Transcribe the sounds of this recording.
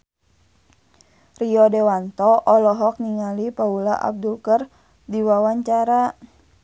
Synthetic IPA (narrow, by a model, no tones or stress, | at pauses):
riɔdɛwant̪ɔʔɔlɔɦɔk̚niŋalipaulaʔa̰b̚dulkər | diwawaɲt͡ʃaɾa